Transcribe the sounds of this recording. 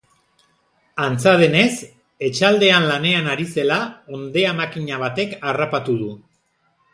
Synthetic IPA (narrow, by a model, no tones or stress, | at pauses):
ant͡sað̞e̞ne̞s | e̞t͡ʃald̪e̞anlane̞anaɾise̞lao̞nd̪e̞amakiɲaβ̞at̪e̞karapat̪uð̞u